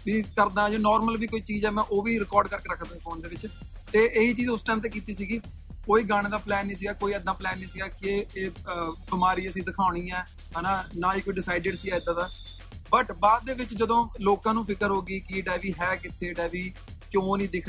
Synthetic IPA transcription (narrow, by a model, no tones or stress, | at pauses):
ʋiːkəɾd̪ãːd͡ʒoːnɔːɾməlʋiːkoːiːt͡ʃiːzɛːmɛ̃ːʔoːʋiːɾɪkɔːɾɖkəɾkeːɾəkʰd̪ãːkɔːnd̪eːʋɪt͡ʃt̪eːʔeːɦiːt͡ʃiːzʊsʈɛːɪmt̪eːkiːt̪iːsiːɡiː | koːiːɡaːɽ̃ẽːd̪aːplɛːnːĩːs̬ɪɡaːkoːiːəd̪nãːplɛːnːĩːsɪɡaːkeeːbɪmaːɾiːəsĩːd̪ɪkʰaːʊɽ̃ĩːɛː | ɦnaːnaːiːkoːiːɖɪsaːɪɖɪɖsiːɛːɪd̪aːd̪aː | bəʈbaːd̪̚ːeːʋɪt͡ʃd͡ʒəd̪õːloːkãːnũːpʰɪkəɾɦoːɡiːkɪɖɛːʋiːɦɛːkɪt̪ʰːeːɖɛːʋiː | kjõːnĩːd̪ɪkʰː